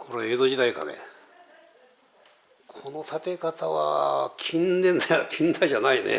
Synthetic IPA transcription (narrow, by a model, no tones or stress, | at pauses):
kʰo̞ɾee̞ːzo̞d͡ʑit̪aika̰nḛ | kʰo̞no̞t̪at̪e̞kat̪aβa̰kʲʰĩnd̪ẽnd̪aakʲʰĩnd̪aiʑanainḛ